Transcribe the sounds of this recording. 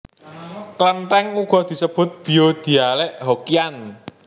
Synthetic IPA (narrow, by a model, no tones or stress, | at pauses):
klənʈ̪ɛŋuɡ̥ɔ̤d̪̥i̤səb̥ʊ̤t̪̚b̥i̤jod̪̥i̤alɛʔɦokian